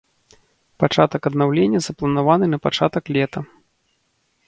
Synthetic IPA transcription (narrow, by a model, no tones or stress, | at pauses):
pat͡ʂat̪ɐkɐd̪nawlʲenʲːɐzɐplˠɐnavanɨnɐpat͡ʂat̪ɐklʲɛt̪ɐ